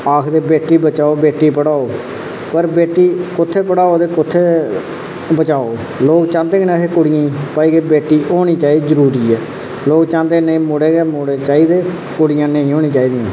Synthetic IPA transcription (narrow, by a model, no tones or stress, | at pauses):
aːkʰd̪eːbeːʈːiːbət͡ʃaːoːbeːʈːiːpəɽaːoː | pəɾbeːʈːiːkʊt̪ʰːeːpəɽaːoːd̪eːkʊt̪ʰːeː | bət͡ʃaːoː | loːkt͡ʃãːnd̪eːɡnaːɦeːkʊɽɪjãːpaːiːɡeːbeːʈːiːʔoːɽ̃iːt͡ʃaːiːdzəɾuːɾiːɛː | loːkt͡ʃãːnd̪eːnĩːmoɽeːɡeːmoɽeːt͡ʃaːiːd̪eː | kʊɽɪjãːnəĩːɦoːñĩːt͡ʃaːiːd̪ijãː